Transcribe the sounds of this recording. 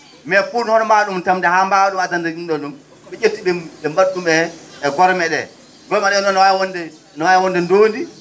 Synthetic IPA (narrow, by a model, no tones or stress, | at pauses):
mɛfuːnhɔnɔmaɗumtamdɛhambaɗumatandainɗɔnɗum | ɓɛʔetːiɓɛɓɛmaɗːumɛːɡɔɾmɛɗɛ | ɡɔɾmaɗɛɔnɔnwawɔndɛ | nɔwajwɔndɛndoːndi